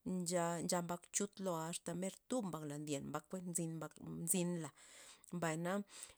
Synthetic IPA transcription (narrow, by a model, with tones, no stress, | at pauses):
d͡ʒa˧nd͡ʒa˧mba˧kt͡ʃu˧t̪lo˧a˧st̪a˨me˦ɾt̪u˦bmba˧kla˨nd̪je˨nmba˧kːʷe˦nzi˧nba˧nzi˧nla˨mba˨jna˦